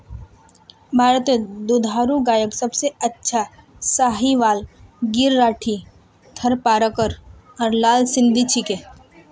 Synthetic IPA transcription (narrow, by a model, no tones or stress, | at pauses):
bʱaːɾət̪ed̪ud̪ʱaːɾuɡaːjəksɐbseɐtːʃʰa | saːɦiʋaːlɡɪɾːaːʈʰi | t̪ʰəɾpaːɾəkəɾɔːɾlaːlsɪ̃nd̪ʱit͡ʃʰike